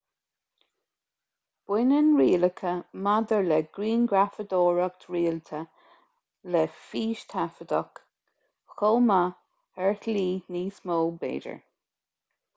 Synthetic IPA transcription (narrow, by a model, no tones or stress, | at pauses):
b̥wɪnənɹiːləkʰəmad̪əɹlɛɡ̥ɾiːnɡɹafəd̪oːɹək̚t̪ʰɹiːlt̪ʰə | lɛfiːʃt̪ʰafəd̪ə̰k | xoːma | ɛɹθliːniːsmoːlbḛːdə̰ɹ